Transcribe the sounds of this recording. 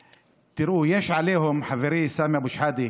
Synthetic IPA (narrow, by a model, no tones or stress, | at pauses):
t̪ɪɾuːjeːʃʕaleːhʊmħaviɾiːsaːmiʔabuʃħaːd̪i